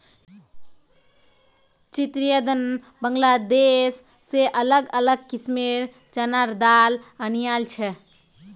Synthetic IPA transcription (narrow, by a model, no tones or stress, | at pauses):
t͡ʃit̪ɾijəd̪ən | bəŋɡlad̪esː | eʔələɡələɡ̚kismiɾ | t͡ʃənaɾd̪alənijalt͡ʃʰɛ